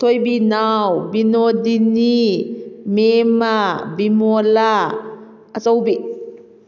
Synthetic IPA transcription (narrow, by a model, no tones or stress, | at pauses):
t̪ʰojbinawbinɔdini | memabimɔla | ət͡sɔwbiʔ